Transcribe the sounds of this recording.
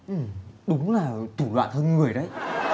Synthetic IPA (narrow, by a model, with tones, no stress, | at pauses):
ʔɨ˨˩ɗʊ˨˦ŋ͡mlaː˨˩t̪u˧˩lwa̰ː˧˨nt̪ʰə˧nŋɨ˨˩əjɗə˨˦j